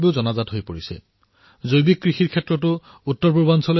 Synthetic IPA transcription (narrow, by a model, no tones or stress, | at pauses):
biʊzɔnazatɦojpoɹisɛ̰ | zojbik̚ːɹixiɹkʰɛtːɹɔtʊ | utːɔɹpubansɔl